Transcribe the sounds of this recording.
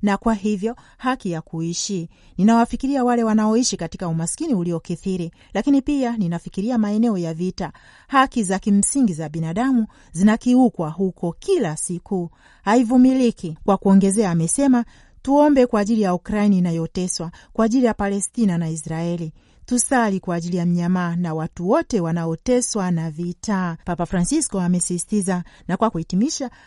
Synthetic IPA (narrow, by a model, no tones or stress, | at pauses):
nakwaɦivjɔ | hakijakuiʃi | ninawafikiɾiawalɛwanaɔiʃikati̥kaumaskiniuliɔkiθiɾi | lakinipianinafikiɾiamaɛnɛɔjavita | hakizakim̩siŋɡizaɓinaɗamu | zinakiukwaɦukʰɔkʰilasiku | haivumilikikwakuɔŋɡɛzɛaːmɛsɛma | tuɔmbɛkwaːʄilijaukɾainiːnajɔtɛswakwaːʄilijapalɛstinanaisɾaɛli | tusalikwaːʄilijam̩ɲamaːnawatuwɔtɛwanaɔtɛswanavitʰaːpapafɾansiskɔamɛsisi̥tizanakwakuitimiʃa